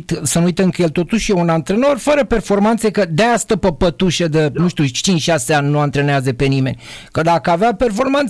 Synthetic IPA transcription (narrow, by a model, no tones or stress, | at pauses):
t̪sənuujt̪əɨkəjelt̪o̞t̪uʃjeunant̪ɾeno̞rfəɾəpe̞rfo̞rmant̪sekəd̪east̪əpəpət̪uʃed̪ənuʃt̪ʲiut͡ʃint͡ʃʃaseanʲnuant̪ɾeneazəpe̞nime̞nʲkəd̪akəaveape̞rfo̞rman